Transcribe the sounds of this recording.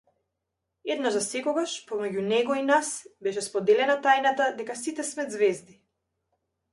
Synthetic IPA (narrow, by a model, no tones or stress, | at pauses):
ɛd̪naʒzasɛkɔɡaʃpɔmɛɟunɛɡɔinasbɛʃɛspɔd̪ɛlɛnat̪ajnat̪ad̪ɛkasit̪ɛsmɛd̪zvɛzd̪i